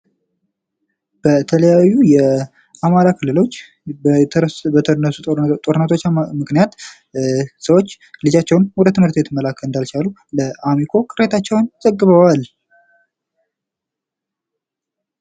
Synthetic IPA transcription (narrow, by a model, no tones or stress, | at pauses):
b̥ət̪ʰələjajːujɛ | amaɾakʰɨlːɨlo̞t͡ʃː | bənəsut̪ʼoɾnːət̪ʰomɨknijat̪ | səwot͡ʃː | lɨd͡ʒat͡ʃːɛwnwɔd̪ət̪ɨmhɨɾt̪bet̪ɨmːəlakʰːəlɨnd̪alt͡ʃʰalu | ləʔamikʰo̞kʼɨɾet̪ʰat͡ʃːɛwnz̥əɡːɨβəwal